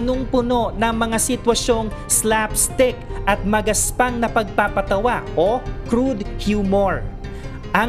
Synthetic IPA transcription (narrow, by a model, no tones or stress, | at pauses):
noŋpʊno̞ʔnɐŋmɐŋasɪt̪wɐʃo̞ŋslapst̪ɪk̚ʔɐt̪̚mɐɡɐspaŋnɐpɐɡ̚papɐt̪ɐwaʔokɾud̪hjuːmoɹ | ʔɐŋ